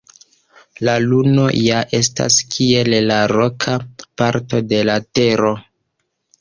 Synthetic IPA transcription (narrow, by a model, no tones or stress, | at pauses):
laluno̞jaʔe̞sta̰skʰie̞llaɾo̞kʰapaɾto̞de̞late̞ɾo̞